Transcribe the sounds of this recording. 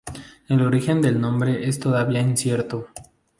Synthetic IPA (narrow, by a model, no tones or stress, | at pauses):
e̞lo̞ɾixe̞nd̪e̞lnõ̞mbɾe̞ʔest̪o̞ðaβiainsje̞ɾt̪o